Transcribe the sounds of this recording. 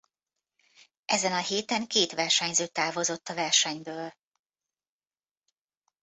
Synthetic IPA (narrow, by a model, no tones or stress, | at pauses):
ʔɛzɛnɒheːt̪ɛŋkeːt̪ʋɛrʃɛɲzøːt̪ːaːvo̞zo̞t̪ːɒvɛrʃɛɲbøːl